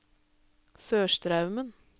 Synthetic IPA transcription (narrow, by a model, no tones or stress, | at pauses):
søːʃtɾɑʉmən